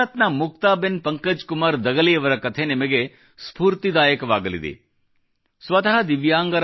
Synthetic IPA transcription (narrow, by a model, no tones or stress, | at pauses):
ɐt̪nɐmuk̚t̪aːbenpɐŋkɐd͡ʒkumaːɾd̪ɐɡɐliɐʋɐɾɐkɐt̪ʰe̞nimɐɡe̞ | spuːɾt̪id̪aːjɐkɐʋaːɡɐlḭd̪ḛ | sʋɐt̪ɐɦɐd̪iʋjaːŋɡɐɾ